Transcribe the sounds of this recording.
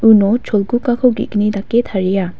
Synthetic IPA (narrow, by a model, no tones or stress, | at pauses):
unɔt͡ʃʰolkukakʰɔɡḭknid̪aket̪ʰaɹija